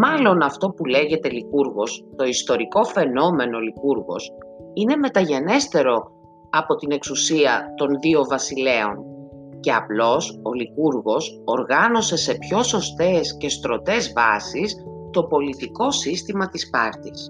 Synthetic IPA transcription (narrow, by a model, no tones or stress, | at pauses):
mɐlo̞nɐft̪o̞pule̞ʝe̞t̪e̞likuɾɣo̞st̪o̞ist̪o̞ɾiko̞fe̞no̞me̞no̞likuɾɣo̞̰sine̞me̞t̪ɐʝe̞ne̞st̪e̞ɾo̞ | ɐpo̞t̪ine̞ksusiɐt̪o̞nðio̞vɐsile̞o̞̰n | ce̞ɐ̰plo̞so̞likuɾɣo̞soɾɣɐno̞se̞se̞pço̞so̞st̪e̞sce̞st̪ɾo̞t̪e̞zvɐsis | t̪o̞po̞lit̪iko̞sist̪imɐt̪ispɐɾt̪is